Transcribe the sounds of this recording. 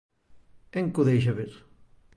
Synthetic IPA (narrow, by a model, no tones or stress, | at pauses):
eŋkuðejʃ̬ɐβeɾ